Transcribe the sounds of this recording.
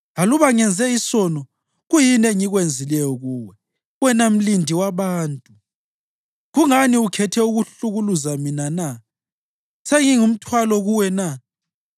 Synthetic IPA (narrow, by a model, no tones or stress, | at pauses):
ɣaluβaŋɛnd͡zʱɛisɔnɔ | ɣujinɛŋiɣwend͡zʱilɛjɔɣuːwɛ | wɛnam̩lindʱiwaβaːntʼu | ɣuŋaniukʰɛtʰɛuɣuɬuɣuluzaminana | seŋiŋum̩tʰwalɔɣuwɛna